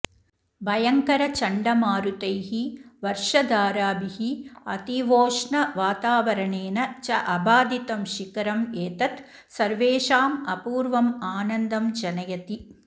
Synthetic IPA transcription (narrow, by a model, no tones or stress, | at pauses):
bɐjɐŋkɐɾɐt͡ʃɐɳɖɐmaːɾut̪ɐjɦiʋɐɾʂɐd̪aːɾaːbihiɐ̰t̪iʋoːʂɳɐʋaːt̪aːʋɐɾɐɳeːnɐt͡ʃɐʔɐbaːd̪it̪ɐmʃikɐɾɐmeːt̪ɐt̪ | sɐɾʋeːʃaːmɐpuːɾʋɐmaːnɐnd̪ɐmd͡ʒɐnɐjɐt̪i